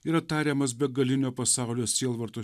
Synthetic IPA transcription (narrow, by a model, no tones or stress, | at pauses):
iːɾɐt̪ɑːɾʲeːmɐs̬bʲɛɡɐlʲɪnʲoːpɐsɑˑʊlʲoːsʲiɛlˠʋɐɾt̪oː